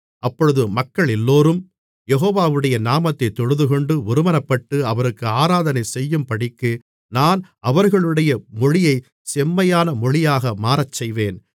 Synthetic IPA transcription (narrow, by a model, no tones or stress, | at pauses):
ʔɐpːɔɻɯðɯmɐkːɐɭɛlːoːɾɯm | jɛɣoːʋaːʋɯɽɐjɐnaːmɐt̪ːɐɪt̪ːɔɻɯðɯkɔɳɖɯʊɾɯmɐnɐpːɐʈːɯɐʋɐɾɯkːɯaːɾaːðɐnɐɪsɛjːɯmpɐɽɪkːɯ | naːn | ɐʋɐɾɣɐɭɯɽɐjɐmɔɻɪjɐɪ | sɛmːɐjaːnɐmɔɻɪjaːɣɐmaːɾɐt͡ʃːɛjʋeːn